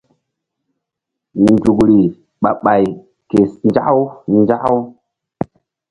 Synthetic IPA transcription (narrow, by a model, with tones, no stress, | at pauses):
n˨du˨kɾi˨ | ɓa˨ɓa˨j | ke˨snd͡ʒa˦ʔwnd͡ʒa˦ʔw